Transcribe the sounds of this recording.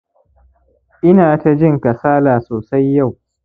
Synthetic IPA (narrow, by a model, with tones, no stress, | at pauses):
ʔɪ˦naː˨ta˦d͡ʒɪ˦˨ŋka˨saː˦laː˨soː˨sa˦jːa˦˨w